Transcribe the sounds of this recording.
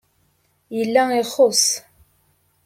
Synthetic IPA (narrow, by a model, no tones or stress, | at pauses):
jəlːæiχos